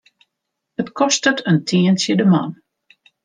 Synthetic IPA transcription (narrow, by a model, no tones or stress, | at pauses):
ətkʰɔstətəntʰiːənsjədəman